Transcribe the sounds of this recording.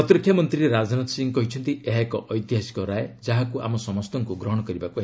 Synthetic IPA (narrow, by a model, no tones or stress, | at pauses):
ɔt̪ɾɔkʰːjamɔnt̪ɾiɾeɾad͡ʒanɔt̪siŋkɔɦit͡ʃʰɔnt̪iʔeɦaekɔʔɔjt̪iɦasi̥kɔɾaed͡ʒaɦakuʔa̰mɔsɔmɔst̪ɔŋkuɡɾɔɦɔɽ̃ɔkɔɾibakuɦe